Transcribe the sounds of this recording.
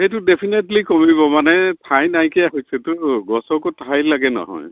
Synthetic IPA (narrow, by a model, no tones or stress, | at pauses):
ejt̬ʊdepʰinetlikɔmiβɔmanɛtʰajnajkiaɦosɛtʊɡɔsɔkutʰajlaɡɛnɔ̰ɦɔ̰j